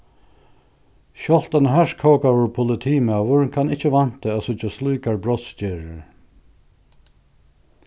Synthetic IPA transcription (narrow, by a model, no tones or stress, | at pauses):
ʃɔl̥t̪anəɦaʂkʰɔːkavʊɹpʰʊlɪt̪ʰiːmaːvʊɹkʰanɪht͡ʃːəvan̥t̪ɪæsʊt͡ʃasluːkaɹbɹɔt̪sceːɹ